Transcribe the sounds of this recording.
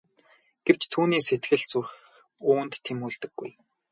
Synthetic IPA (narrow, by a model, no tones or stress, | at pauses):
ɡ̥ew̥t͡ɕt̪ʰuːniːset̪ɡɘ̆ɮt͡surx | ʊːnt̪ʰːemuɮt̪ɘ̆ɡ̥ːṵj